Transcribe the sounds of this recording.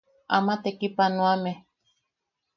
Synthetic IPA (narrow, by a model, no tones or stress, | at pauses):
amat̪ekipanõame